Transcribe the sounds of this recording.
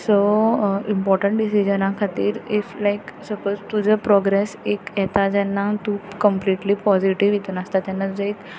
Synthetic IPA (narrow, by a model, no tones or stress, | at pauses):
soimpɔɾʈəɳʈɖisid͡ʑənãkʰat̪iːɾiflajksəpod͡zt̪ud͡zəpɾɔɡɾesekjɛt̪ad͡ʑɛnːat̪uːkəmpliʈlipɔziʈiʋjit̪unəst̪at̪jɛnːat̪ud͡zəek